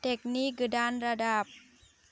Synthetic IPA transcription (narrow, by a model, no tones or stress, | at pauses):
t̪ɛk̚niɡədanɾadap̚